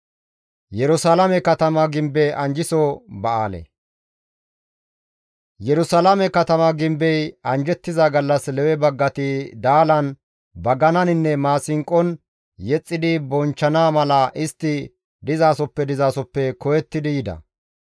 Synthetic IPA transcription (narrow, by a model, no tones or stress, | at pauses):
jɛɾʊsaːlɐmɛkɐt̪ɐmɐɡɪmbɛʔɐnd͡ʒɪsɔbɐʔa̰ːlɛ̰ | jɛɾʊsalamɛkɐt̪ɐmɐɡɪmbɛjɐnd͡ʒɛt̪ːɪzɐɡɐlːɐslɛwɛbɐɡːɐt̪ɪd̪aːlɐn | bɐɡɐnɐnɪnːɛmaːsɪŋkʼːɔn | jɛt͡sʼːɪd̪ɪbɔnt͡ʃːɐnaːmɐlɐʔɪst̪ːɪ | d̪ɪzaːsɔpːɛd̪ɪzaːsɔpːɛkɔjɛt̪ːɪd̪ɪjɪd̪ɐ̰